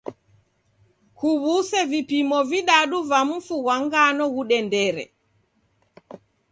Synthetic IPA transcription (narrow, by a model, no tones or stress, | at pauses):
kuβusɛvipimɔviɗaɗuvam̩fuɣaŋɡanɔɣuɗɛndɛɾɛ̰